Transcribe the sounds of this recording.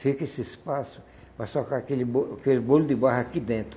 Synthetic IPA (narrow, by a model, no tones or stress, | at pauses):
sekesɪɪspasʊ̥ | pasɔkakelɪboakelɪbolʊd̪ɪbahakid̪ẽnt̪ɾʊ